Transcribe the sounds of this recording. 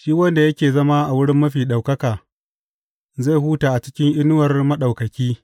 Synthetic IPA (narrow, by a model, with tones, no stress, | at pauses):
ʃiː˦wɐ˦nda˨jɐ˦kʲeː˨zɐ˦ma˦ʔa˨wʊ˦ɽɪ˦mːɐ˦ɸiː˨ɗa˨wkɐ˦kaː˨ | za˦˨jhuː˦taː˨ʔa˨t͡ʃɪ̥˦kʲɪ˦ŋʔɪ˦nʊ˦wɐ˨rmɐ˦ɗa˨wkɐ˨kʲiː˦